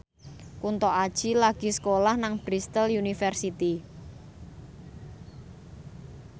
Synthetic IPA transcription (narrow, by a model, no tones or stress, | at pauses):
kunt̪ɔʔad̥ʒ̥i̤laɡ̥i̤sə̥kolahnaŋb̥ɾist̪əljunifɛrsit̪i